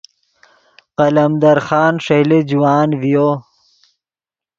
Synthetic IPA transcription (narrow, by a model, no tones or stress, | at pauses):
qɐlɐmd̪ɐɾxɑːnʂeled͡ʑuwaːnvijo